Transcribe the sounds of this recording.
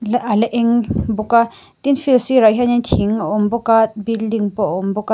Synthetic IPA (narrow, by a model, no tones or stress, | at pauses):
lʔalɛʔɛŋbɔka | t̪infilsiɾaʔɦaɲantʰiŋaʔɔmbɔkat̪̚bildiŋpɔʔɔmbɔka